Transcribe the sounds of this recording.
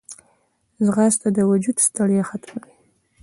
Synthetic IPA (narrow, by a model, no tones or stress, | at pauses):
zɣɑst̪ad̪əwad͡ʒud̪st̪aɽjexat̪maki